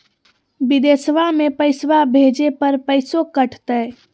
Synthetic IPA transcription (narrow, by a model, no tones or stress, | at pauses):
bid̪esʋamepəɪsʋabʱed͡ʒepəɾpəɪsokəʈʰt̪əj